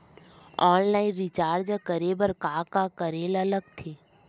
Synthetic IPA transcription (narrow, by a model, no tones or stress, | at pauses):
ɔːnlaːɪnɾit͡ʃaːɾd͡ʒəkəɾeːbəɾkaːkakəɾeːlɐləɡ̚t̪ʰeː